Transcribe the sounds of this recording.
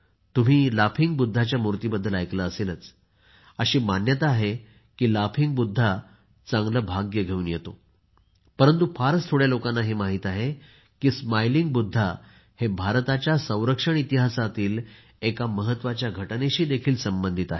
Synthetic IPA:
t̪um̤iːlafʰiŋɡ̚bud̪ʱːat͡ɕjamuɾt̪iːbəd̪ːəlajklaːselət͡s | əɕiːmanjət̪aaɦe | kiːlafiŋɡ̚bud̪ʱːa | t͡sãŋɡləbʱaɡjəɡʱeʋunjet̪o | pəɾənt̪ufaɾst̪ʰoɽjalokanːaɦemaɦiːt̪aɦe | kiːsmajliŋɡbud̪ʱːa | hebʱaɾt̪at͡ɕjasə̃w̃ɾəkʂəɳit̪iɦasat̪iːl | ekaməɦət̪ːʋat͡ɕjaɡʱəʈneɕiːd̪ekʰiːlsəmbənd̪ʱit̪aɦe

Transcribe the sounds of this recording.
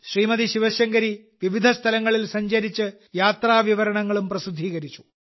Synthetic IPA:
ɕriːmɐðiɕiʋɐɕjɐŋɡɐɾi | ʋiʋid̪ʱɐst̪ʰɐlɐŋːɐɭilsɐɲd͡ʑɐɾit͡ɕːɨ | jaːt̪raːʋiʋɐɾɐɳɐŋːɐɭumprɐsud̪ʱːiːɣɐɾit͡ɕːu̥

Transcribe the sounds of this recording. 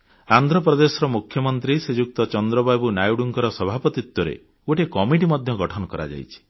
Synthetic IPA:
and̪ʱɾɔp̬ɾɔd̪esɔɾɔmukʰjɔmɔnt̪ɾised͡ʒuk̚t̪ɔt͡ʃɔnd̪ɾɔbajbunajuɽuŋkɔɾɔsɔbʱapɔt̪it̪wɔɾḛ | uʈekɔmiʈ̬imɔd̪ʱjɔɡɔʈʰɔnɔkɔɾa̰d͡ʒa̰jt͡ʃʰi̥

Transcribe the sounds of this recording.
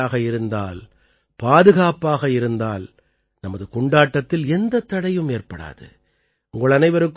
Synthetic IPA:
aːɣɐɪɾɯnd̪a̰ːl | paːðɯɣaːpaːɣɐɪɾɯnd̪a̰ːl | nɐmɐðɯkɔɳɖaːʈːɐt̪ːɪlɛnd̪ɐt̪ːɐɽɐjɯmeːrpɐɽa̰ːðɯ̰ | ʊŋɡɐɭɐnɐɪʋɐɾɯkː

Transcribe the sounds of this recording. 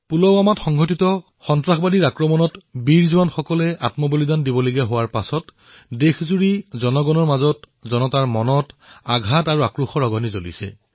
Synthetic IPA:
pulɔwamatxɔŋɡʱotitɔ | xɔntɹaxbadiɹakɹɔmɔnɔtbiɹzuwanxɔkɔlɛʔa̰tmɔbolidandibɔleɡiaɦowaɹpasɔt | dexzuɹizɔnɔɡɔnɔɹmazɔt | zɔnɔtaɹmɔnɔtaɡʱataɹuakɹuxɔɹɔɡɔnizolḭsɛ̰

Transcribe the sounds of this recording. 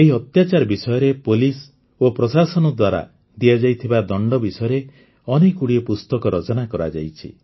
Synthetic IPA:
eɦiɔt̪jat͡ʃaɾbisɔjɔɾepolis | opɾɔsasɔnɔd̪waɾa̰ | d̪iad͡ʒajt̪ʰibad̪ɔɳɖɔbisɔjɔɾe | ɔnekuɽiɔpust̪ɔkɔɾɔt͡ʃɔnakɔɾa̰d͡ʒa̰jt͡ʃʰḭ

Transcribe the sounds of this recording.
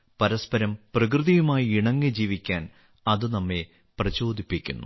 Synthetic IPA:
pɐɾɐspɐɾɐmprɐk̬rɨðijumaːjiiɳɐŋːɨd͡ʑiːʋikʲːaːn | ɐðɨnɐmːe | prɐt͡ɕo̞ːd̪ʱipːikʲːṵnːṵ

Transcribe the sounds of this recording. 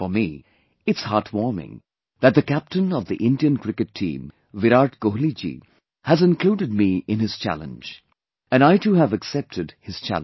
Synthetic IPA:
fəmi | ɨtshɑɹtwɔɹmɪ̰̃ŋ | ðɨt̪̚ðɨkæp̚tɨ̃nʌvðiʔɪ̃ndiɨ̃nkɹɪkɨtʰḭ̃m | ʋɪɾaɹtkoɦlid͡ʒḭ | hæzɨ̃nkl̥udɨd̚miɪ̃nɨz̥t͡ʃʰæ̰lə̰̃nd͡ʒ | ɨ̃naɪtuɦəvɨksɛp̚tʰɨdhɨz̥t͡ʃʰæ̰l

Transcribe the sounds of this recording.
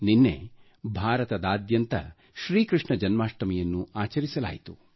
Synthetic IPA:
ninːḛ | bʱaːɾɐt̪ɐd̪aːd̪jɐnt̪ɐ̰ | ʃɾiːkɾɨʂɳɐd͡ʒɐnmaːʂʈɐmɛjɐnːuaːt͡ʃɐɾisɐla̰ːjit̪u

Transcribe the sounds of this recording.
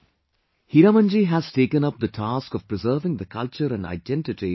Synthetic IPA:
hiɾamə̃nd͡ʒiɦæz̥ʈeːkə̃nʌp̚d̪əʈʰaːskɔv̥pɾɪzəːʋɪ̃ŋd̪əkʰʌlt͡ʃəɾæ̃nɖa̰ɪɖɛ̃nʈɪʈi

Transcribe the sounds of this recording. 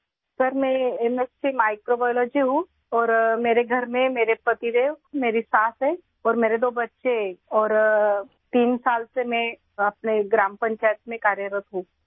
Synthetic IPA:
səɾmɛ̃emesʈimaːɪkɾobajɔlɔːd͡ʒiɦũ | ɔːɾmeːɾeɡʱɐɾmẽmeːɾepɐt̪iɾemeːɾisaːsɦɛː | ɔːɾmeːɾed̪oːbɐtːʃeɔːɾ | t̪iːnsaːlsemɛ̃ | ɐp̚neɡɾãːmpə̃ɲt͡ʃaːjət̪̚mẽkaːɾjəɾət̪ɦũː

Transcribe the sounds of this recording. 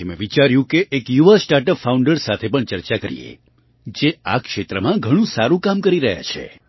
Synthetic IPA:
emḛ̃ʋit͡ʃaɾjũkeʔːkjuʋasʈaʈəpfʰauɳɖəɾsat̪ʰepəɳt͡ʃəɾt͡ʃakəɾḭḛ | d͡ʒeakʃet̪ɾəmãɡʱəɽ̃ũsaɾũkamkəɾiɾəɦja̰t͡ʃʰḛ

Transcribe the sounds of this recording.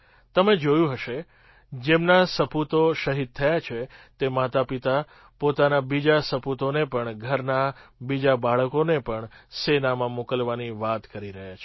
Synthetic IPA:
t̪əmed͡ʒojũɦəʃe | d͡ʒemnasəpʰut̪oʃəɦid̪̚t̪ʰəjat͡ʃʰet̪emat̪apit̪a | pot̪anabid͡ʒasəpʰut̪onepəɳɡʱəɾnabid͡ʒabaɭəkonepəɳsenamãmokəlʋaniʋat̪kəɾiɾəɦjat͡ʃʰe

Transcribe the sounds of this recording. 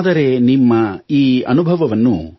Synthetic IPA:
d̪ɐɾe̞nimːɐiːɐ̰nubʱɐʋɐʋɐnːu

